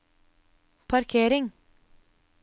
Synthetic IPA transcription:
pʰɑɾkʰeːɾɪŋ

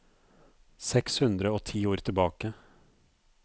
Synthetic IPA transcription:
sɛkshʉnd̪ɾəoːt̪ʰiːoːɾt̪ʰɪlbɑːkə

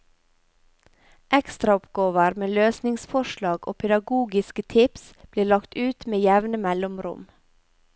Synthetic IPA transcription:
ʔɛkst̪ɾɑɔpɡoːʋəɾmeːløːsnɪŋsfɔʃlɑːɡo̰ːpʰɛd̪ɑɡuːɡɪskət̪ʰɪpsb̥liːlɑkt̪ʉːt̪meːjɛʋnəmɛlʊmɾʊ̰m

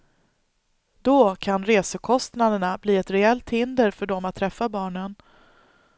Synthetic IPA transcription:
d̪okʰanɾeːsəkʰɔst̪nad̪əɳabliːɛt̪ɾɛɛlt̪hɪnd̪əɾfœɖɔmat̪ʰːɾɛfːabɑːɳən

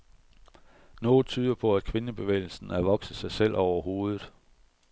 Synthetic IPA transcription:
nɔːð̩ˠt͡sʰyːð̞ˠɐpʰɒ̽æd̥kʰʋe̝nəb̥e̝ʋḛɪl̩sn̩æʋɒ̽ɡ̥səsɑ̈ɪsel̰ʔɒʊɐɦo̝ːð̞ˠð̩ˠ

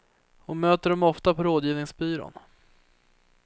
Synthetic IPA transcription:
ɔmøːt̪əɖɔmɔft̪apʰɔɾoːd̪jiːvnɪŋsbyːɾo̰ːn

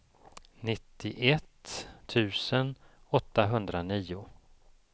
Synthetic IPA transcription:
nɪt̪ʰːɪʔɛt̪t̪ʰʉ̟ːsənɔt̪ːaɦɵnd̪ɾaniːʊ

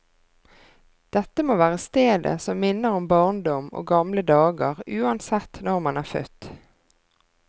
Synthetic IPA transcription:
d̪̥ɛt̪ːəmoːʋæːʁəst̪eːd̪ə̰sɔmːɪnːəʁʊmbɑʁnd̪ɔmo̰ːɡɑmləd̪ɑːɡəʁʉːɑnsɛt̪ːnɔʁmɑnæːʁfœ̰t̪

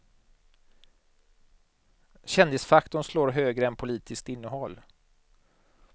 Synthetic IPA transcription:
ɕɛnd̪ɪsfakt̪ʊnsloːɾɦøːɡɾəɛnpʰʊliːt̪ʰɪskt̪ɪnːəɦɔlː

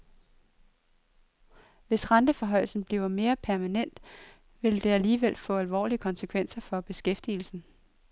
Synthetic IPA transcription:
ʋe̝sʁɑnd̥əfɒ̽ɦɒ̽ɪ̰l̩sn̩b̥liʊɐme̝ːɐpʰæɐmænen̰d̥ | ʋe̝ld̥e̝æliːʋel̰fɔ̰̽ːælʋɒ̰ːliəkʰɒ̽nsəkʰʋen̰sɐfɒ̽b̥e̝sɡ̥efd̥il̩sn̩

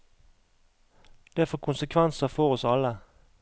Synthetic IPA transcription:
d̪̥eæːfoːkʰʊnsəkʰʋɛnsəfɔʁɔsɑlə

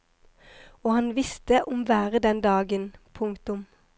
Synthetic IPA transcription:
oːhɑnʋɪst̪əʔʊmʋæːʁəd̪ɛnd̪ɑːɡənpʰʊŋkt̪ʊm

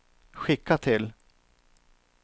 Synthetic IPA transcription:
ɧɪkʰːat̪ʰɪl

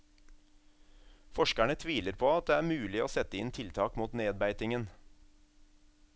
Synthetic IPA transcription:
fɔʃkæɳət̪ʰʋiːləɾpʰoːɑt̪̚d̪eːæːɾmʉːlɪoːsɛt̪əɪnt̪ʰɪlt̪ʰɑːkmuːt̪neːd̪̚bæɪt̪ɪŋən

